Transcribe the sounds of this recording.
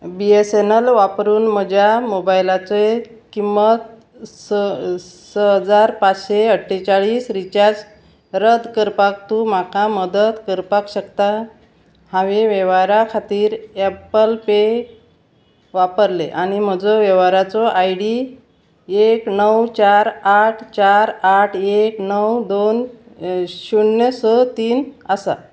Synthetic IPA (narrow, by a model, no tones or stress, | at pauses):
biesenəlʋapɾuːnm̤əd͡ʑjamobajlat͡se | kimːət̪ | s | səɦəd͡zaɾpat͡sɕeəʈʰːet͡saɭiːsɾit͡ɕaɾd͡z | ɾəd̪kəɾpak̚t̪um̤akaməd̪ət̪kəɾpakɕəkt̪a | hãʋeʋeʋaɾakʰat̪iːɾɛpəlpe | ʋapəɾleʔañim̤əd͡zoʋjɛʋaɾat͡sɔʔajɽi | eknəwt͡ɕaɾaʈʰt͡ɕaɾaʈʰeknəwd̪on | ɕuɳjəsət̪iːnəsa̰